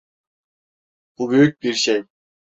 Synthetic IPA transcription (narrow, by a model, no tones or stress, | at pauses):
b̥ubyjyc̚ʲbiɾʃej